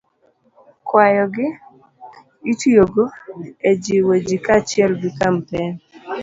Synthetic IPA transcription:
kwajɔɡɪ | itjoɡoed͡ʒiwed͡ʒikat͡ʃɪɛlɡikampɛn

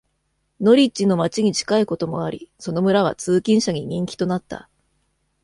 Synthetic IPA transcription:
no̞ɾʲit͡ɕino̞mat͡ɕiɲ̟it͡ɕi̥kaiko̞t̪o̞mo̞̰aɾʲḭso̞no̞mɯ̟ɾaβ̞a̰t͡sɨːkʲĩɰ̃ɕaɲ̟iɲ̟ĩŋkʲi̥t̪o̞nat̪ːa̰

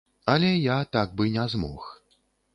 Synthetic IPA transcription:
ɐlʲɛjat̪aɡ̚bɨnʲɛzmɔ̰x

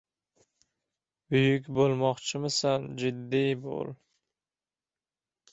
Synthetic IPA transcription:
bʊjʊk̬ʲbolˠmɒqt͡ʃʰɪmɪsand͡ʒɪd̪ːijbo̰lˠ

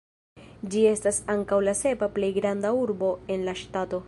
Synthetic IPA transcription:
d͡ʒie̞stasaŋkawlase̞paple̞jɡɾandauɾbo̞e̞nlaʃtato̞

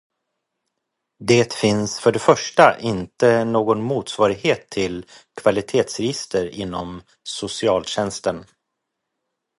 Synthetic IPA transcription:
d̪eːt̪fɪnsfœɖɛfœʂʈaʔɪnt̪ənoːɡɔnmuːt̪svɑːɾɪɡheːt̪ʰːɪlkʰvalɪt̪ʰeːt̪sɾɛjɪst̪əɾɪnːɔm | sʊsɪɑːlɕɛnst̪ən

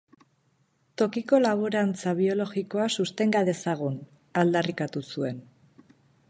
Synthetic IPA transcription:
t̪o̞kiko̞laβ̞oɾant͡saβ̞io̞lo̞ɣiko̞asust̪e̞ŋɡaðe̞saɣ̞un | ald̪arikat̪usue̞n

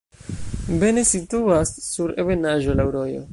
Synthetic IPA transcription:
be̞nesituasːuɾevenaʒo̞lawɾo̞jo̞̰

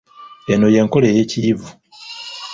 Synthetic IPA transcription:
eno̞je̞ŋko̞leje̞ːciːvu

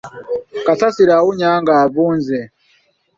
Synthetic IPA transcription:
kat͡sʰasiɾauɲaŋɡaːpuːnzɛ

